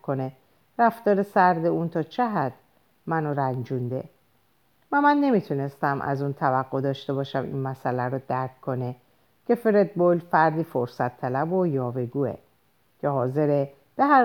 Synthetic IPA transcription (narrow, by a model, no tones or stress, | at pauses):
kʰo̞ne | ræft̪ɒːɾesæɾd̪e̞unt̪ʰɒːt͡ʃʰeɦæd̪̥ | mænoɾænd͡ʒund̪e̞̰ | mæmænːe̞mit̪ʰune̞st̪æmʔæ̰zuːnt̪ʰævæɡːo̞d̪ɒːʃt̪e̞bɒːʃæmḭnmæsʔælæɾɔd̪æɾkʰkʰːo̞ne | cʰe̞fe̞ɾed̪̚bo̞lfæɾd̪iːfoɾsæt̪ʰːælæbojɒːve̞ɡuːḛ | cʰehɒːze̞ɾe | b̥eɦæ